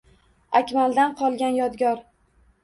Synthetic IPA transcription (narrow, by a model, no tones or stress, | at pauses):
akʲmald̪anqʰɒlˠɡʲanjɒd̪ɡʲɒɾ